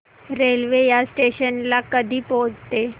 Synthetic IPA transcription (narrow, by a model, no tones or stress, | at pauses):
ɾelʋejasʈeɕənlakəd̪ʱiːpod͡zt̪e